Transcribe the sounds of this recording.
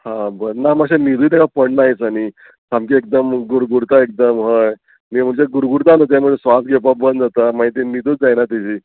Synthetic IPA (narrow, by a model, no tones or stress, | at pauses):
hãbəɾnamaɡɕemid̪ʱuːt̪jakapəɳnajisani | samkiek̚d̪əmɡuɾɡuɾt̪aek̚d̪əmɦəj | mim̤əɳt͡ɕeɡuɾɡuɾt̪anət̪̬jãm̤əɳd͡zesʋas̚ɡep̬abənd̪d͡zat̪amaɦit̪imid̪ʱuːt̪̚d͡zajnat̪id͡ʑiː